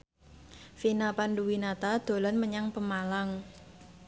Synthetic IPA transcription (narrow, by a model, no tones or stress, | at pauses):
finapanɖuwinat̪ad̪̥o̤lanməɲaŋpəmalaŋ